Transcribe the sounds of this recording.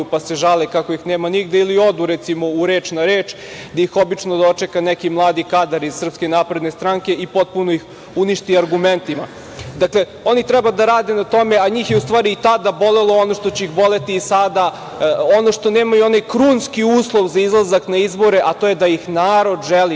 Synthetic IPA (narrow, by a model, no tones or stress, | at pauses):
upaseʒalekako̞ixneːmaniɡd̪eilio̞d̪uɾɛt̪simo̞uɾeːt͡ʃnaɾeːt͡ʃ | d̪ajixo̞bit͡ʃnod̪ot͡ʂekanɛkimlˠaːd̪ikad̪aɾiz̥sr̩pskenaːpɾe̞d̪nest̪ɾaŋke̞ipo̞t̪̚punoix | uniʃt̪iaɾɡument̪ima̰ | d̪akle̞ | o̞nit̪ɾɛbad̪aɾaːd̪enat̪o̞me̞aɲiːxjeust̪ʋaːɾiːt̪ad̪abo̞lelˠo̞ono̞ʂt̪o̞t͡ɕeixbo̞le̞t̪iːsad̪a | o̞no̞ʂt̪o̞neːmajuo̞najkɾuːnskiuːslˠo̞ʋzaizlˠazaknaizbo̞ɾeʔat̪o̞ːjed̪ajixnaːɾo̞d̪ʒeli